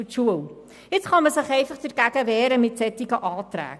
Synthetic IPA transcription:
t͡ʃuəw | ɪtsχɑnməsəχejfəχtərkækəvɛːɾəmitsɛtikəʔɑːtræ̰ːk

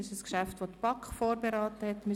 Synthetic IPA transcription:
ɪʃəskʃæftʋotpɑkfoːɾbeɾɑːtəhɛtmɪ

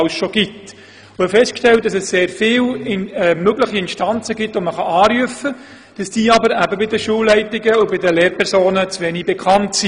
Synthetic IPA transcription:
lsʃoɡ̥it | ʊɛfɛst̚kʃtɛlt̚d̥ɑsɛsseːɾfɪːlɛmøɡləχiɪnʃtɑnt͡səɡɪtoməχɑɑːɾyəfə | d̥ɑsd̥iːɑbəɾæbəbɪdəʃuːlːɛɪtɪɡəʊbɪdəleːɾpʰɛɾsoːnət͡sʋɛnibɛkʰɑntsi

